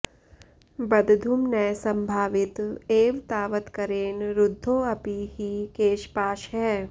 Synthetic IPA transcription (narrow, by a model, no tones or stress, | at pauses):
bɐd̪d̪ʱumnɛjsɐ̃mbʱaːʋɪt̪eːʋt̪aːʋət̪kɐɾeːnɾʊd̪ʱːoːɐpiɦikeːʃpaːʃɦɛː